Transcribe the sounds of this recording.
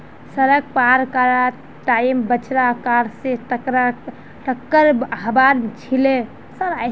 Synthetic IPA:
səɾəɡ̚paɾkaɾa | ʈaimbət͡ʃɾakaɾseʈəkɾa | ʈəkːəɾɦəbaɾt͡ʃʰile | səɾa

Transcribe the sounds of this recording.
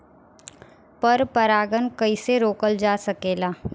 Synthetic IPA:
pɐɾpɐɾaːɡənkɐiseɾoːkəld͡ʒaːsɐkeːlaː

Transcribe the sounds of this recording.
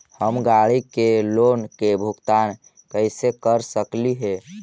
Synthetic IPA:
həmɡaɽikelonkebʱukt̪an | kəɪsekəɾsəkliɦe

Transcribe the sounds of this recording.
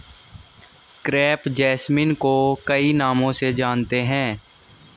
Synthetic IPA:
kɾɛːpd͡ʒɛːsmɪnkokɐinaːmõsed͡ʒaːnt̪eɦɛ̃ː

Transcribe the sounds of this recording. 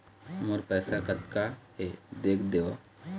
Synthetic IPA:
moɾpɛːsakət̪kaed̪eːkʰd̪eːo

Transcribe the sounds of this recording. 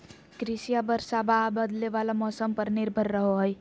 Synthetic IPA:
kɾisijabəɾsababəd̪leʋalamɔsəmpəɾniɾbʱəɾːəɦoɦəj

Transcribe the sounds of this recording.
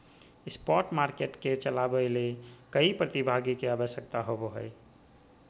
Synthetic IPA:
ispɔʈmaɾkeʈket͡ʃəlabəlekəipɾət̪ibʱaɡikeabəʃjəkt̪aɦoboɦəj

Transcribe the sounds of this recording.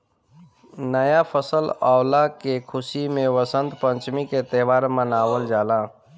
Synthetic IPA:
nəjapʰəsəlawlakekʰʊsimẽʋəsənt̪pə̃ɲt͡ʃmiket̪ɛːʋaːɾmənaːwəld͡ʒaːlaː

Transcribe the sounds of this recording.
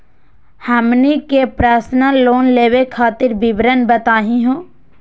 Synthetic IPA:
həmnikepɾaːsnəlːoːnleːʋekʰaːt̪ɪɾbɪbɾənbət̪aːɦĩɦõː

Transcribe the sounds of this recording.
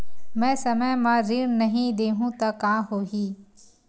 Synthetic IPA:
mɛ̃ːsɐməjmãːɾiːɳnɐɦĩd̪eːɦũːt̪ɐkãːɦoːɦiː

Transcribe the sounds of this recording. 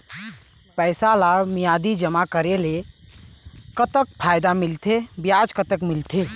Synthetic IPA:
pəjsalamijad̪id͡ʒəmakəɾele | kət̪ək̚pʰajd̪amilt̪ʰebjad͡ʒkət̪əkmilt̪ʰe

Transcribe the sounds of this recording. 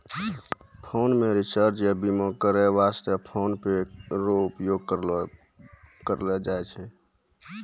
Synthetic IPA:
pʰoːnmẽɾit͡ʃəɾd͡ʒjabimokəɾɛʋast̪əpʰoːnpeɾoupjoːɡ̚kəɾ | kəɾled͡ʒaet͡ʃʰɛ

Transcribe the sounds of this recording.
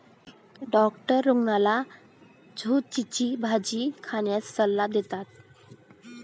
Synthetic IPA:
ɖɔkʈəɾːuŋɡnala | d͡zʱut̚t͡ɕit͡ɕibʱad͡ʑikʰaɳjasːəlːad̪et̪at̪̚

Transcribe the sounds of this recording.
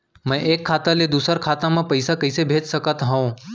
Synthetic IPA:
mə̃jʔekʰːaːt̪aled̪uːsəɾkʰaːt̪amãpəɪsakəɪsebʱeːd͡ʒsəkət̪ɦə̃w̃

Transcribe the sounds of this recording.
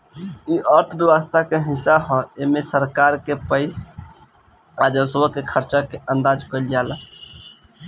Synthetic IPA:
iʔəɾt̪ʰəbjəwəst̪ʰakeɦisːaɦɔ̃emesəɾkaɾkepəɪs | ad͡ʒəɾsbəkekʰəɾt͡ʃakeʔə̃nd̪ad͡ʒkəld͡ʒalə

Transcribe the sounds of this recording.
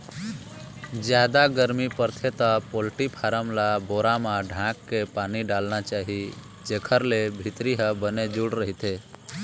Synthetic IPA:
d͡ʒjaːd̪aɡəɾmipəɾt̪ʰet̪əpolʈipʰaːɾəmlaboːɾamãɖʱãːkːepaːniɖaːlnat͡ʃaːɦi | d͡ʒeːkʰəɾlebʱɪt̪ɾiɦə̃bəned͡ʒuɽɾəɦit̪ʰe

